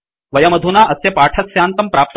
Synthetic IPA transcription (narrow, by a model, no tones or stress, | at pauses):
ʋɐjɐmɐd̪ʱunaːʔɐsjɐpaːʈʰɐt̪sjaːnt̪ɐmpɾaːp̚t̪